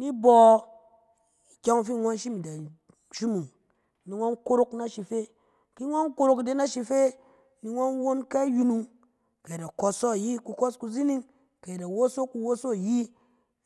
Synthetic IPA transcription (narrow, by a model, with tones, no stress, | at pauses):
ni˦bɔ˨ | i˨kʲa˦ŋ˦fi˦˨ŋʷa˦n˦ʃi˦mi˨da˨ | ʃi˦mu˨ŋ | ni˨ŋʷa˦nko˦ɾo˦kna˦ʃi˨fe˦ | ki˦ŋʷa˦nko˦ɾo˨kde˦na˦ʃi˧fe˦ | ni˧ŋʷa˦n˦wo˦nka˦i˦ju˧nu˨ŋ | ka˨ji˨da˨kɔ˧sɔ˦˨ji˦ku˧kɔ˦sku˧zi˦ni˦ŋ | ka˨je˨da˨wo˦so˦ku˧˦wo˦so˦˨ji˦